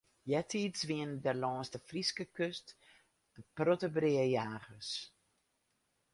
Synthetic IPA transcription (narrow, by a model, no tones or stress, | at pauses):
jɛtʰiːtsʋiəndɛrlɔːnstəfriskəkøst | d̥əprotəbrɪəjaːɣəs